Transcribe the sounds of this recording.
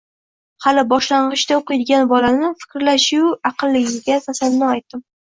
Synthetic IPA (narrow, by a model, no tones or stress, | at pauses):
halɪbɒʃlaɴʁɨʃd̪aoqɨjd̪ɪɡʲanbɒlanɪfɪ̥kʲɾlaʃʊwɑqʰɨlˠːɪɡʲɪɪzɡʲasasannɒajt̪̚d̪ɪm